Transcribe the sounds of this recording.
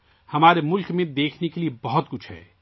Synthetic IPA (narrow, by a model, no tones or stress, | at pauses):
hɐmaːɾemʊlkmẽd̪eːkʰnekeliebɐɦʊt̪kʊt͡ʃʰɦɛ̰ː